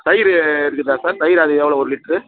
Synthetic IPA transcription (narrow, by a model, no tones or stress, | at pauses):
sɐjɪɾɯɪɾɯkːɯt̪ːaːɾsaːɾsɐjɪɾɐðɯɛʋːɐɭoɔɾɯlɪʈːɾɯ